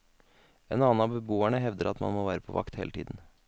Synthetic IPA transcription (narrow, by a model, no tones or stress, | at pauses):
eːnɑːn̩ɑbəbuːæɳəɦɛʋd̪əɾʔɑt̪mɑ̰nmoːʋæːɾəpʰɔʋɑ̰kt̪hḛːlət̪ʰiːd̪n̩